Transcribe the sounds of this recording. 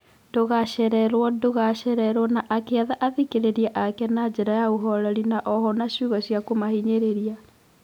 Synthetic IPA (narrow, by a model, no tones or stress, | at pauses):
doɣaɕɛɾɛɾwɔdoɣaɕɛɾɛɾwɔnaʔakeaðaʔaðikeɾeɾiɛʔakɛnad͡ʑɛɾajaoɦɔɾɔɾinaʔɔhɔnaɕuːɣɔɕjakomahiɲeɾeɾia